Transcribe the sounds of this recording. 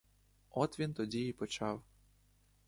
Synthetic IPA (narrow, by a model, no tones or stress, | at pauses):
ɔt̪ʋʲint̪ɔdʲiipɔt͡ɕɑw